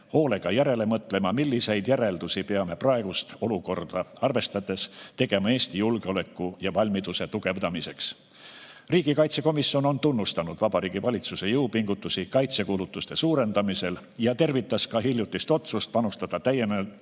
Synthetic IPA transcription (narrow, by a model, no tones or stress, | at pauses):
ho̞ːle̞ɡ̥ɑjæɾe̞le̞mɤt̪ːˑlemɑmilʲːise̞jd̪̥jæɾe̞ld̪usipe̞ɑme̞prɑe̞ɡ̥ust̪o̞luko̞rd̪̥ɑɑrve̞st̪ɑd̪̥e̞st̪e̞ɡ̥e̞mɑe̞ːsʲt̪ijulɡ̥eo̞lekːˑujɑvɑlʲmid̪use̞t̪uɡ̥e̞vd̪ɑmise̞ks | riːɡ̥ikɑjt̪se̞ko̞misːio̞no̞nt̪unːust̪ɑnud̪̥vɑb̥ɑɾiːɡ̥ivɑlʲit̪suse̞jɤupiŋɡ̥ut̪ːˑusikɑjt̪se̞kulut̪ːˑust̪e̞suːɾe̞nd̪ɑmise̞l | jɑt̪e̞rvit̪ːˑɑskɑɦiljut̪ːˑist̪o̞t̪sust̪̚pɑnust̪ɑd̪̥ɑt̪æje̞nelt̪